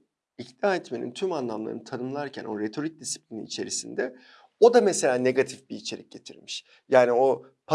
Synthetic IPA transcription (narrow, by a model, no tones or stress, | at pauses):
icd̪aːɛt̪me̞nḭnt̪ʰymanlˠamlˠa̰ɾɯnt̪ʰanɯmlˠaɾcʰæ̰nʔo̞ɾe̞t̪ʰo̞ɾic̚d̪isi̥plʲinḭːt͡ʃʰe̞ɾisind̪ɛ | o̞d̪amese̞lʲaːne̞ɡat̪ʰifbiːt͡ʃʰe̞ɾic̚ɟ̥e̞t̪ʰiɾmiʃ | jaːnio̞ | pʰa